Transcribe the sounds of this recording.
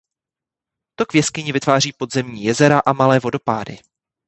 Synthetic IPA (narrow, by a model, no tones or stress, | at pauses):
t̪okvjɛskɪɲɪvɪt̪vaːr̝iːpo̞d̪zɛmɲiːjɛzɛɾaʔamalɛːvo̞do̞pa̰ːdɪ̰